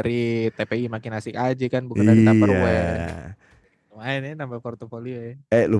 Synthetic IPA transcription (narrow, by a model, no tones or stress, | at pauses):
ɾit̪epeimakinasɪkad͡ʒakanbukaidaiaəwɛ | lomaɛnɛnambafɔrt̪ofolioɛɛlu